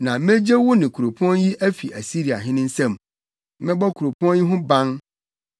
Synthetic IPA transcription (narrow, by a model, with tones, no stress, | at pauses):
nã˨mẽ˦d͡ʑe˦wʊ˦nɪ̃˨kʰu˨ɾo˨pʰɔ̃˦nji˦ʔæ˦fi˨ʔæ˨si˦ɾi˨a̰˨ɦɪ̃˦nɪ̃˦n̩˦sɛ̃˦˨m | mɛ̃˦bɔ˦kʰu˨ɾo˨pʰɔ̃˦nji˦ɦʊ̃˦bã˦n